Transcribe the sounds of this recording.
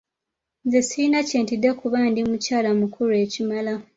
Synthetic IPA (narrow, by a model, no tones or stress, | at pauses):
nzesiinaceːntidekuβaːndimucaːlamukʰuɾue̞ːcimala